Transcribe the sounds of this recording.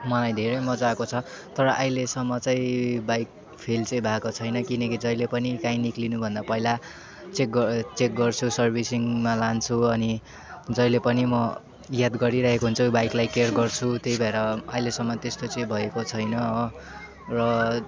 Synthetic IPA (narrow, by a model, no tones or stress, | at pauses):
mʌlajd̪ʱeɾʌjmʌd͡zakot͡sʰʌ | t̪ʌɾʌʔajlesʌmːʌt͡sʌĩbajk | pʰelt͡sʌĩbʱakot͡sʰʌjnʌkinʌkid͡zʌjlepʌnikãĩniklinubʱʌnd̪apʌɦila | t͡sek̚ɡʌt͡sek̚ɡʌrt͡sʰusʌrbʱisiŋmalant͡sʰuʌni | d͡zʌjlepʌnimʌ | jad̪ɡʌɾiɾaɦekoɦunt͡sʰʌbajklajkerɡʌrt͡sʰut̪ejbʱʌeɾʌajlesʌmːʌt̪est̪ot͡sʌĩbʱʌekot͡sʰʌjnʌ | rʌ